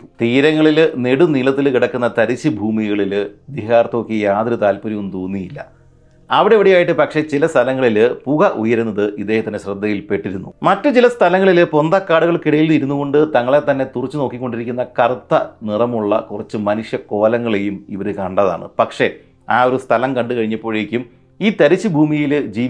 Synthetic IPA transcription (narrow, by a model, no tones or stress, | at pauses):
t̪iːɾɐŋːɐɭilne̞ɽunilɐt̪̬ːilkiɽɐkːunːɐt̪ɐɾiɕːibʱuːmiɣɐɭild̪iɦaːrt̪oːkːijaːðɐɾut̪aːlpuɾɐʋumt̪uːnːijilːɐ̰ | ɐʋiɽeʋɐɽijaːjiʈːɨpɐkʂe̞t͡ɕilɐst̪ʰɐlɐŋːɐɭilpuɣɐʔujɐɾunːɐðɨʔid̪eːɦɐt̪ːɐnːeɕrɨd̪ːɐjilpe̞ʈːiɾunːumɐtːɨt͡ɕilɐst̪ʰɐlɐŋːɐɭilpo̞nd̪ɐkːaːɽuɣɐɭkiɽɐjilniɾunːuɣo̞ɳɖɨt̪ɐŋːɐɭe̞t̪ɐnːe̞t̪urɐt͡ɕːuno̞ːkːikʲːo̞ɳɖiɾikʲːunːɐkɐrt̪ːɐnirɐmuɭːɐ̰kurɐt͡ɕːɨmɐnuʂjɐko̞ːlɐŋːɐɭe̞jumiʋɐɾɨkɐɳɖɐða̰ːɳɨ̰pɐkʂe̞ | aːo̞ɾust̪ʰɐlɐmkɐɳɖɨkɐɻiɲːɐpːo̞ːɻekʲːum | iːt̪ɐɾit͡ɕːɨbʱuːmijild͡ʑiː